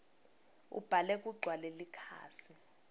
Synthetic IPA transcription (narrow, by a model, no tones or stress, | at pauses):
ṵb̥ʱalɛk̬ʼuɡ͡ǀʱwalelikʰa̰ːsi